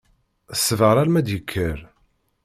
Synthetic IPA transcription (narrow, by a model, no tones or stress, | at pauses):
əsːəvəɾˤaɾmæd̪jəkʰːəɾ